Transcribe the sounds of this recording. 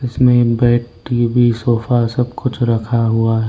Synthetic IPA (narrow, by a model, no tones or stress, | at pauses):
ɪsmẽbɛːʈ | ibʱisoːfasɐb̚kʊt͡ʃʰɾɐkʰaɦuaɦɛ